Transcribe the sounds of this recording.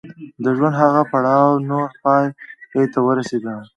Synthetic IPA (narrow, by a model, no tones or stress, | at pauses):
d̪əʒwand̪haɣapaɽɑwnoɾpɑjejt̪awəɾased̪a